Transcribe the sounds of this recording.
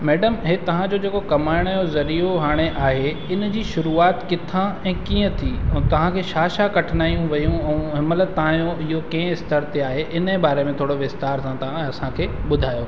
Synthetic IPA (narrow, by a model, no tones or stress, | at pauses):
mɛːɖəmɦet̪ɐʋ̤ãd͡ʑoːd͡ʑeːkokɐmaːɪɽ̃jozɐɾijoɦaːɽ̃eʔaːɦe | ɪn̆d͡ʑiːʃʊɾuaːt̪kɪt̪ʰãɛ̃ːkiːə̃t̪ʰiːt̪ɐʋ̤ãkʰeːʃaːʃakɐʈʰnaːijũʋɐjũɛ̃ɦɪmələt̪aãjoɪɦokɛ̃ːɪst̪əɾt̪eaːɦeʔɪnəbaːɾemẽt̪ʰoːɽoʋɪst̪aːɾsãt̪ɐãɐsãkʰeːɓʊd̪ʱaːjo